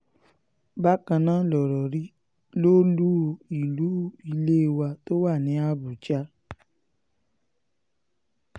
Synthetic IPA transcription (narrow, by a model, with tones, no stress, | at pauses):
ba˦kã˧nãː˦lɔ˨ɾɔ˨ɾi˦ | lo˦lu˦i˨lu˨˦i˧le˦˧wa˧to˦wa˦˨nĩ˨˦a˦bu˨t͡ʃa˦